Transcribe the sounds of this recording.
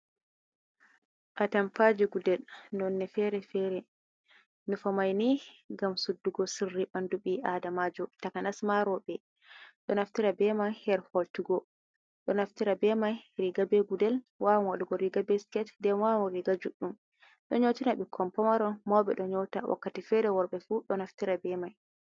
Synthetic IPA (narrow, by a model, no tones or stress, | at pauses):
ʔatampad͡ʒiɡudɛlnɔnːɛfɛɾɛfɛɾɛ | mifamajniɡamsudːuɡɔsirːiɓanduɓiʔadamad͡ʒɔtakanasmaɾɔɓɛ | ɗɔnaftiɾabɛmahɛɾhɔltuɡɔ | ɗɔnaftiɾabɛmajɾiɡabeɡudɛl | wawmwaɗɡɔɾiɡabɛskɛtdɛmwamɔɾiɡad͡ʒuɗːum | ɗɔ̰ɲotinaɓɛkʰɔmpɔmaɾɔnmɔwɓɛ̰ɗɔɲɔtawʔa̰kːatifɛɾɛwɔɾɓɛfuɗɔnaftiɾabɛmaj